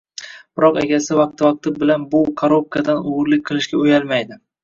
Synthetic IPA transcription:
b̥ɪɾɒqḛɡʲasɪvɑq̚t̪ʰɪvɑq̚t̪ʰɪbɪlanbʊkʰoɾup̚kad̪anʊwʊɾlɪk̚ʲqʰɨlˠɪʃkʲaojalˠmajd̪ɪ

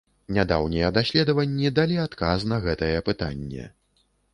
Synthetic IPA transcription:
nʲad̪a̰wnʲijɐd̪asʲlʲɛd̪ɐvɐnʲːid̪alʲiat̪kaznɐɣɛt̪ɐɨjɛpɨt̪a̰nʲːɛ̰

